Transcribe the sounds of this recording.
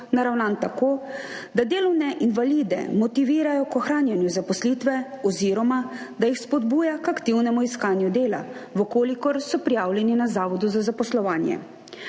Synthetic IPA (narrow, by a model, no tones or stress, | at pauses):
naɾawnant̪akoː | d̪ad̪eːlɔwnɛʔinʋalid̪ɛ̰mɔt̪iʋiːɾajɔkɔxɾaːnjɛnjuzapɔsliːt̪ʋɛ | ɔziːɾɔma | d̪ajixspɔd̪buːjakakt̪iwnɛmuiskaːnjud̪eːla̰ʋɔkoːlikɔɾsɔpɾijaːwljɛninazaːʋɔd̪uzazapɔslɔʋaːnjɛ̰